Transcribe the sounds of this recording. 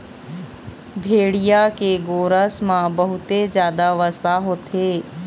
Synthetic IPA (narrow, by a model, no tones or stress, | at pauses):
bʱeːɽijakeɡoːɾəsmãbɐɦʊt̪ed͡ʒjaːd̪aʋəsaɦoːt̪ʰeː